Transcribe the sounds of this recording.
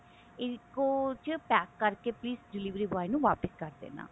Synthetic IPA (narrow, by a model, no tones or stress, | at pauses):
ɪkot͡ʃpɛːkːəɾkeːpliːsɖɪliːʋɾiːbəaːiːnũːʋaːpɪskəɾd̪ḛːnã̰ː